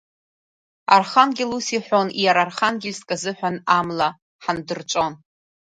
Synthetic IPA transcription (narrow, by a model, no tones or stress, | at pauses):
a̰rχanɡʲɪlusiħʷonijaɾarχanɡʲɪlʲskʼazɨħʷᶣanamla | ħandɨrt͡ʃʷʼo̞n